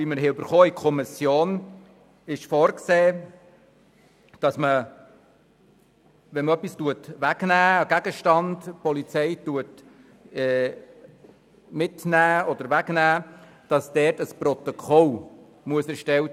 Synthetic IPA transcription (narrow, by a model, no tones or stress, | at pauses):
iməɾɦɛʉbəɾχɔːikʰɔmɪsjoːn | ɪʃfɔːɾkseː | d̥ɑsmə | ʋɛnmœpːistuətʋæɡnæːɡ̥æɡəʃtɑnd̥pɔlit͡sɛɪtuət | ɛː | mɪtnæːɔd̥̪əɾʋæɡ̥næː | d̥ɑsd̥ɛrtəspɾɔt̪okʰɔl | muəsɛɾʃtɛwt